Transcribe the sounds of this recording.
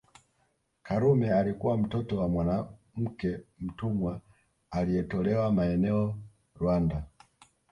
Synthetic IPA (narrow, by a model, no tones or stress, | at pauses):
kaɾumɛalikuwam̩tɔtɔwamwana | m̩kɛm̩tumwa | alijɛtɔlɛwamaɛnɛɔ | ɾwanda